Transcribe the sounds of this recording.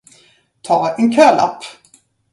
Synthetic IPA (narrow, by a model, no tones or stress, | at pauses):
t̪ʰɑːɛnkʰøːla̰pː